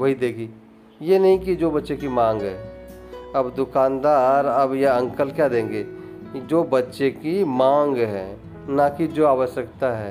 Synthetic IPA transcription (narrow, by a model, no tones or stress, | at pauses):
ʋɐɦid̪eːɡiː | jenɐɦĩkid͡ʒoːbɐtːʃekimãːŋɡɦɛː | ɐbd̪ʊkaːnd̪aːɾəbjaɐ̃ŋkəlkjad̪ẽːŋɡeː | d͡ʒoːbɐtːʃekimãːŋɡɦɛ̰ː | nakid͡ʒoːaːʋəʃjəkt̪aɦɛː